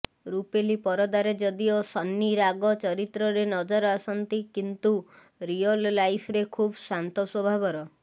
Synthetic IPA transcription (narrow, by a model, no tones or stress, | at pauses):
ɾupelipɔɾɔd̪aɾed͡ʒɔd̪iosɔnːiɾaɡɔt͡ʃɔɾit̪ɾɔɾenɔd͡ʒɔɾɔasɔnt̪ikint̪u | ɾiɔllajpʰɾekʰubsant̪ɔswɔbʱabɔɾɔ